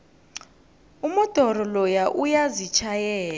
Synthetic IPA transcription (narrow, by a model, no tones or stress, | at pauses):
umɔd̥ʱɔɾɔlɔjaʔujazit͡ʃʰajɛːla